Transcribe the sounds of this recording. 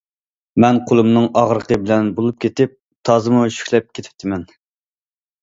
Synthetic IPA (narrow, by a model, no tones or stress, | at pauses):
mɛnqʰolˠumnɨŋɑʁɾəqəbɪlɛnbolˠup̚kʲet̪ɪp̚ | t̪ʰɑːzɨmuʃy̥kʲlɛp̚kʲʰet̪ʰɪ̥p̚t̪ʰɪmɛn